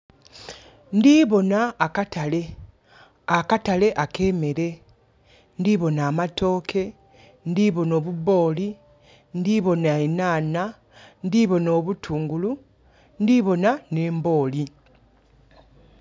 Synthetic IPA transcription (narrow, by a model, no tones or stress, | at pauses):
ndiβo̞naːkatale̞ | akatale̞ʔake̞ːme̞ɾe̞ | ndiβo̞naːmatʰo̞ːkʰe̞ | ndiβo̞no̞ːβuβo̞ːli | ndiβo̞naenaːna | ndiβo̞noːβutʰuːŋɡulu | ndiβo̞nane̞ːmbo̞ːli